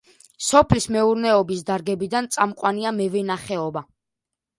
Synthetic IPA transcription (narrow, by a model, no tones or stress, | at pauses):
sɔpʰlismɛuɾnɛɔbisd̪aɾɡɛbid̪ant̪sʼamqʼwaniamɛvɛnaχɛɔba